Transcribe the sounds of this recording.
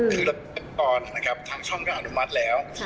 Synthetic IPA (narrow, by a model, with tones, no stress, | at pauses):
t̪ʰɯ˨˧˩la˧˩˧e˥˧˩t̪ɔː˧nna˦˥kʰɾa˦˥p̚t̪ʰaː˧ŋt͡ɕʰɔ˥˩ŋkaː˧˩ʔa˧˩nu˦˥ma˦˥t̪̚lɛː˦˥w